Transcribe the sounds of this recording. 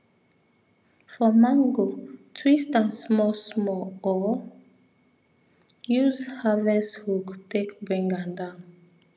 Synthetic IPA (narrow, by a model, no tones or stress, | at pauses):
fɔmãŋɡotʰwistãnsmɔsmɔɔ | juzhavɛshuktʰekbɛ̃ŋɡãndãn